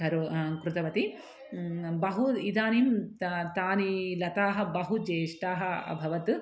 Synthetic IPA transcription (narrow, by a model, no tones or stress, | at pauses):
ɐɾukɾut̪ɐʋɐt̪i | bɐɦuid̪aːnimt̪aːnilɐt̪aːɦɐ̆bɐɦud͡ʒeːʂʈaːɦɐɐ̰bʱɐʋɐt̪